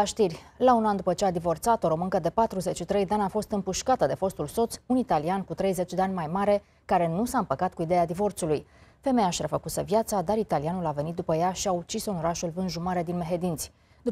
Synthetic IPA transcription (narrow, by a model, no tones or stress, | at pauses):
aʃt̪irʲ | launand̪upət͡ʃead̪ivo̞rt̪sat̪o̞ɾo̞mɨŋkəd̪e̞pat̪ɾuze̞t͡ʃʃit̪ɾe̞jd̪eanafo̞st̪ɨmpuʃkat̪əd̪e̞fo̞st̪ulso̞t̪sunit̪aliankut̪ɾe̞jze̞t͡ʃd̪e̞anʲmajmaɾe̞ | kaɾe̞nusaɨmpəkat̪̚kuid̪e̞jad̪ivo̞rt̪sulujfe̞me̞jaʃiɾafəkusə̰vjat̪sad̪aɾit̪alianulave̞nit̪̚d̪upəjaʃiaut͡ʃisono̞ɾaʃulvɨnʒumaɾe̞d̪inme̞ɦe̞d̪int̪sʲ | d̪u